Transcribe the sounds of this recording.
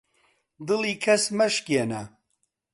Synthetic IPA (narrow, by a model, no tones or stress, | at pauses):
d̪ɨliːkʰɐsmɐʃkenɐ